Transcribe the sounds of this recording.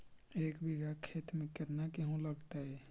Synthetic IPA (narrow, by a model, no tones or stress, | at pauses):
eːkbiɡakʰeːt̪mẽkəɾnakiɦõləɡt̪aɛ